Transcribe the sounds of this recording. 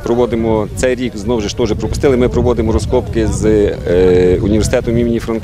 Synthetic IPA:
pɾɔʋɔd̪ɪmɔt̪sɛjɾʲikznɔwʒeʃt̪ɔwʒɛpɾɔpʊst̪ɪlˠɪmɪpɾɔʋɔd̪ɪmɔɾɔskɔpkɪz | unʲiʋersʲɪ̥t̪ɛt̪ʊmʲimʲnʲifɾɐn

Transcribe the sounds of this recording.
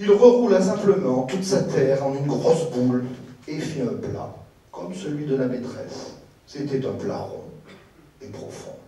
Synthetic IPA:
ilʁəʁulasɛ̃pləmɑ̃t̪ut̪sat̪ɛʁɑ̃ynɡʁɔsbulefiɛ̃pla̰ | kʰɔmsəlɥid̪əlamet̪χɛ̰sː | et̪ɛt̪ɛ̃pla̰ʁɔ̰̃ | epχɔfɔ̰̃

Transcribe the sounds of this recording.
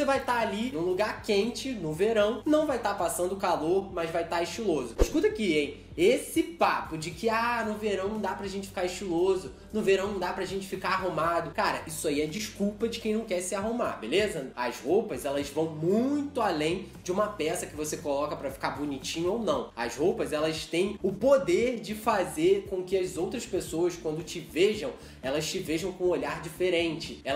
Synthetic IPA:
sevajt̪aalinũluɡaɾkẽnt͡ʃɪnʊveɾɐ̃w̃nɐ̃w̃vajt̪apasɐ̃nd̪ʊkaloɾmɐzvajt̪aɪʃt͡ʃilozʊɪʃkut̪ɐkiẽj̃ | esɪpapʊd͡ʒɪkɪanʊveɾɐ̃w̃nɐ̃w̃d̪apɾɐʒẽnt͡ʃɪ̥fi̥kaɾɪʃt͡ʃilozʊ | nʊveɾɐ̃w̃nɐ̃w̃d̪apɾɐaʒẽnt͡ʃɪfikaɾaɦumad̪ʊkaɾɐʔisʊaiɛd͡ʒɪʃkuwpɐd͡ʒɪkẽj̃nɐ̃w̃kɛɾsɪaɦuma̰belezɐɐzhowpɐzɛlɐzvɐ̃w̃mũj̃t̪ʊalẽj̃d͡ʒɪũmɐpɛsɐkɪvosekolɔkɐpɾɐfi̥kaɾbunit͡ʃĩɲʊownɐ̃w̃ɐzhowpɐzɛlɐst̪ẽj̃ʊpod̪eɾd͡ʒɪfazeɾkõkɪɐzowt̪ɾɐspesoɐskwɐ̃nd̪ʊt͡ʃɪveʒɐ̃w̃ | ɛlɐst͡ʃɪveʒɐ̃w̃kõoʎaɾd͡ʒifeɾẽnt͡ʃɪɛ

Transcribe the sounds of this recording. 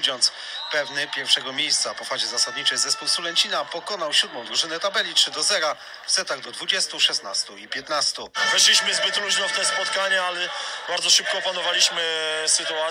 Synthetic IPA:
d͡ʑʲɔnt̪s | pɛvnɘpʲjɛɾfʂɛɡɔmʲjejst̪sapɔfad͡ʑɛzasad̪ɲit͡ʂɛjzɛspuwsulɛnʲt͡ɕinapɔkɔnawɕud̪mɔ̃w̃d̪ɾuʐɘnɛt̪abɛlʲitʂɘd̪ɔzɛɾa | vsɛt̪aɣd̪ɔd̪vud͡ʑɛst̪uʂɛst̪na̰st̪uipʲjɛt̪nast̪uvɛʂlʲiɕmɘzbɘt̪luʑnɔft̪ɛspɔt̪kaɲɛalɛbaɾd̪zɔʂɘp̚kɔːpanɔvalʲiɕmɘsɘt̪ua

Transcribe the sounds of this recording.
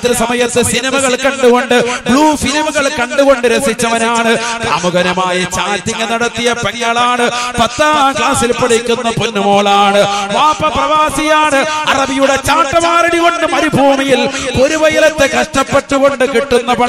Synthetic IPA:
t̪ɾɐsɐmɐjɐt̪ːɨsinɐmɐɣɐɭkɐɳɖuɣo̞ɳɖɨbɡɭuːfilimɣɐɭkɐɳɖuɣo̞ɳɖɨɾesit͡ɕːɐʋɐnaːɳɨd̪a̰ːmuɣɐnɐmaːjɐt͡ɕaːtːiŋːɐnɐɽɐt̪ːijɐpeŋjɐɭaːɳɨpɐt̪ːaːkaːsilpɐɽikʲːunːɐpunːɐmoːɭɐaːɳɨʋaːpɐprɐʋaːsijaːɳɨɐrɐbijuɽe̞t͡ɕaːʈːɐmaːɾiɽikoɳːɨmɐɾibʱuːmijilpo̞ɾuʋɐjɐlɐt̪ːekɐʂʈɐpːeʈːuɣo̞ɳɖɨkiʈːunːɐpɐ

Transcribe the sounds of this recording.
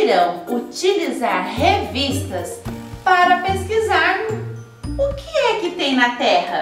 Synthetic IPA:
ɾɐ̃w̃ut͡ʃilizaɾhevist̪ɐspaɾɐpeskizaɾlʊ | ʊkɪɛkɪt̪ẽj̃nɐt̪ɛhɐ

